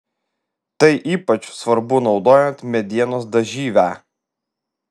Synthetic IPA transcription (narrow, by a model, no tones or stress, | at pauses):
t̪ɐɪʔiːpɐt͡ʃsʋɐɾbʊnɒʊd̪oːjɛnt̪mʲɛd̪ʲiɛnoːsd̪ɐʒʲiːʋʲæ